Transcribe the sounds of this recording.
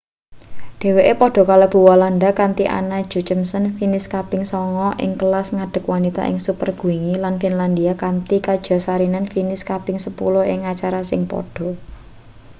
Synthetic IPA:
ɖ̥e̤weʔepɔɖ̥ɔ̤kalab̥ṳwalandakant̪iʔa̰nad̥d͡ʒ̥ṳt͡ʃəmsənfinɪskapɪŋsɔŋɔʔɪ̰ŋkəlasŋaɖ̥ə̤kwanit̪a̰ʔɪ̰ŋsupərɡ̥ṳiŋilanfinland̪iakant̪ikad̥ʒ̥ɔ̤saɾinanfinɪskabɪŋsəpṵlɔɪŋat͡ʃaɾasɪŋpɔ̰ɖ̥ɔ̤

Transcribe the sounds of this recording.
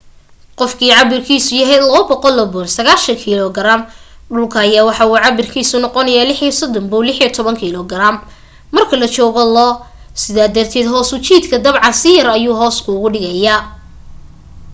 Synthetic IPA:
qɔfkʰiːʕɑβɪrkʰiːsʊjɐɦɛjlɐːbɔqɔlːɐbɔːnsɐɣaːʃɐŋkʰiːlɔɡɐɾam | ɖʊlkʰɐɐjaːwɑħɑuːʕɑβɪrkʰiːsʊnɔqɔnɐjaːlɪħisɔd̪ɔmbʊwlɪħiɔt̪ʰɔβɐŋkʰilɔɡɐɾamː | ɐrkʰɐlɐt͡ʃɔːɣɔlɔː | sɪðaːd̪ɐrt̪ʰɛːd̪ɦɔːsʊt͡ʃiːd̪kʰɐd̪ɐβʕɑnsɪjɐɾɐjuːɦɔːskʰʊʊɣʊɖɪɣɐja

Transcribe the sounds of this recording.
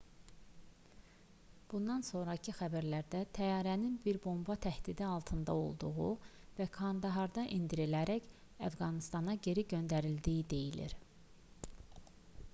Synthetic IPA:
b̥und̪ɑnso̞nɾɑcʰixæbæɾlæɾd̪æt̪ʰæjɑːɾæninbiɾbo̞mbɑt̪ʰæhd̪̥id̪iɑlˠt̪ʰɯnd̪ɑ̰o̞̰lˠd̪uɣu | vækʰɑnd̪ɑɦɑɾd̪ɑʔind̪iɾelæɾæç | æfɡɑnist̪ɑnɑɟe̞ɾiɟø̞nd̪æɾild̪ijid̪e̞jilḭɾ

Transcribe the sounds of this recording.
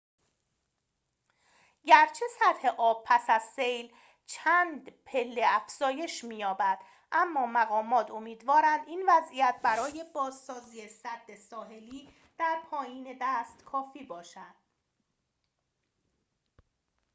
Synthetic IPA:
ɟæɾt͡ʃʰe̞sæt̪he̞ʔɒːb̥̚pʰæsæz̥sejl | t͡ʃʰæːnd̪pʰe̞lːeæfz̥ɒːje̞ʃmiːjɒːbæd̪̥ | ʔæmːɒːmæɣɒːmɒːt̪ʰo̞miːd̪vɒːɾænd̪iːnvæzʔijæt̪̚ʰbæɾɒːje̞bɒːzsɒːziːesæd̪ːe̞sɒːɦe̞liː | d̪̥æɾpʰɒːjiːne̞d̪æːst̪kʰɒːfiːbɒːʃæd̪̥

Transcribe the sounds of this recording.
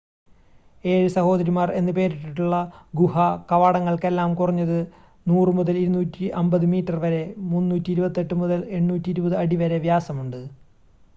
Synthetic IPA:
e̞ːɻɨsɐho̞ːd̪ɐɾimaːre̞nːɨpe̞ːɾiʈːiʈːuɭːɐɡuɦɐkɐʋaːɽɐŋːɐɭke̞lːaːmkurɐɲːɐðɨ | nuːrɨmuðɐliɾunuːtːiʔɐmbɐðɨmiːtːɐrʋɐɾe̞munːuːtːiːɾubɐt̪ːe̞ʈːɨmuðɐle̞ɳːuːtːiɾubɐðɨɐɽiʋɐɾe̞ʋjaːsɐmuɳɖɨ

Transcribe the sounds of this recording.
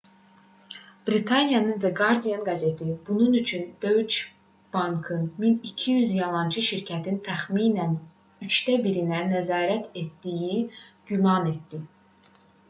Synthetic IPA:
b̥ɾit̪ʰɑnijɑnɯnveɡɑɾd̪ijɑnɡɑze̞t̪ʰibununyt͡ʃʰynd̪̥ø̞jt͡ʃ | b̥ɑŋkʰɯnminicʰijyzjɑlˠɑnt͡ʃʰɯʃiɾcʰæt̪ʰint̪ʰæxmiːnæn | yt͡ʃt̪æbiɾinænæzɑːɾæt̪ʰe̞t̪d̪ijiɟymɑne̞t̪̚d̪i

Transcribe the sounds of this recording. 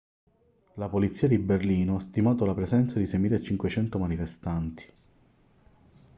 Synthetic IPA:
lapolit̪sːiːad̪iberliːnoast̪imaːt̪olapɾezɛnt̪sad̪isɛjmiːlet͡ʃiŋkwet͡ʃɛnt̪omanifest̪ant̪i̥

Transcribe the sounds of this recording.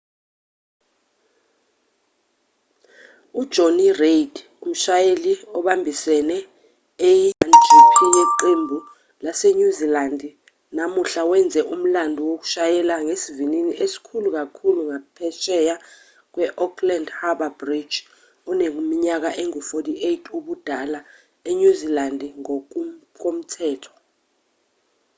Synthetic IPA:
ud̥ʒ̥ʱonired | um̩ʃajeliɔɓambʱisɛnɛ | ejntʰipʰijeǃembʱu | laseɲuzilandʱ | namuɬawɛnd͡zʱɛʔum̩landʱɔwok̬u̥ʃajɛlaŋesivininiʔesi̥kʰuluk̬akʰuluŋapʰɛʃɛja | k̬wɛʔɔkʰlandhaɓabrid̥d͡ʒ | ɔnek̬umiɲak̬aʔeŋufotʰʼiʔetʰuɓud̥ʱala | eɲuzilandʱiŋ | k̬om̩tʰɛːtʰɔ̥

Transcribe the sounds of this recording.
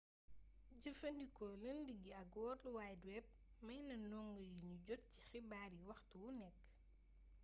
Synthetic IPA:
ɟɐfɐndikɔlɐndiɡːiɐɡwɔːluwaːjdwɛp̚ | mɐjnɐnɔŋɡəjiɲuɟɔt̚ci̥xibaːɾiwɐxtwunɛkː

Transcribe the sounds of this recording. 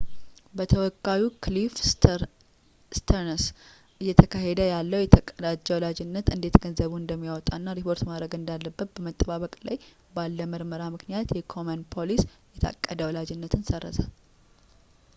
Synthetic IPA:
bət̪ʰəwɔkʼːawukʰlif | st̪ʰəɾns | ʔɨjːɛt̪ʰəkʰaɦed̪əjalːəwjɛt̪ʰəkʼːəd̪ad͡ʒːɛwɔlad͡ʒɪnːət̪ɨnd̪e̞t̪ɡənzəβuɨnd̪əmːijawɔt̪ʼanːaɾipʰo̞ɾt̪maɾəɡɨnd̪alːəbːət̪̚b̥əmət̪ʼːəβaβəkʼlaj | balːəməɾməɾamɨknijat̪jɛkʰomənpʰolisjɛt̪ʰa̰kʼːəd̪əwɔlad͡ʒɪnːət̪ʰɨnsərːə̰sal

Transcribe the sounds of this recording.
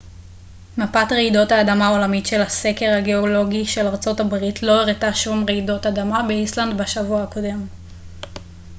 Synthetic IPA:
mapatʁeido̞thaːdamao̞lamitʃe̞lhase̞ke̞ʁhaɡe̞olo̞ɡiʃe̞laʁt͡so̞tabʁitʰlo̞eʁetaʃumʁeido̞tadamabeisland̪baʃavuaako̞de̞m

